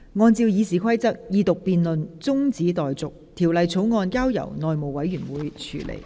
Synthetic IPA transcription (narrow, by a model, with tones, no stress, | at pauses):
ŋɔː˧nt͡siː˧wjiː˨˧siː˨˩kʷʰɐ˥jt͡sɐ˥k̚jiː˨˧t̪ʊ˨k̚piː˨nlɵ˨nt͡sʊ˥ŋt͡siː˨˥t̪ɔː˨jt͡sʊ˨k̚t̪ʰiː˨˩wlɐ˨˧jt͡sʰo˨˥wŋɔː˧nkaː˥wjɐ̰˨˩wnɔː˨jmo˨wɐ˨˥jɥyː˨˩nwuː˨˧˦jt͡ʃʰy̰ː˨˩lḛ˨˩j